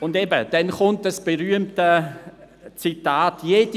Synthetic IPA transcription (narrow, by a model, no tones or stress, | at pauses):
ʊndeːbəd̥ɛnχʊntəsb̥eɾyəmtə | t͡sitaːtjeːd̥i